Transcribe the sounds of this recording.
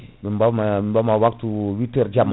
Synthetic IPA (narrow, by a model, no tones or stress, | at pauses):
mɛmbamamimbamawak̚t̪uwitɛrd͡ʒam